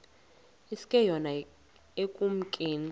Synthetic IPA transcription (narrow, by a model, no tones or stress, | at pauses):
isi̥kʼɛjɔna | ekʼum̩kʼeːni